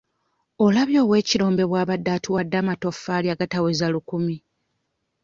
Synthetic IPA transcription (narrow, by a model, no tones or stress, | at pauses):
o̞laβjo̞ːwe̞ːciɾo̞ːmbe̞βwaːβadːaːtiwadːaːmato̞fːaːliaɡatawezalukumi